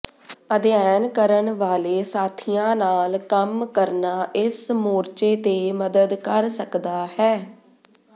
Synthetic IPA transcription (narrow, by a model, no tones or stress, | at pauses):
əd̪jɛːnkəɾəɳʋaːleːsaːt̪ʰijãːnaːlkəmkəɾnaːʔɪsmoːɾt͡ʃeːt̪eːməd̪əd̪kəɾsəkd̪aːhɛː